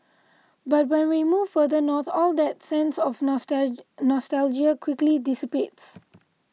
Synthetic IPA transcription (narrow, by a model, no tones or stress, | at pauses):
bat̚wɛ̃nwimuːvfəd̪ənɔt̪ʰɔld̪ɛt̚sɛ̃nsɔf | nɔstɛld͡ʒiakʰwɪklidɪsipets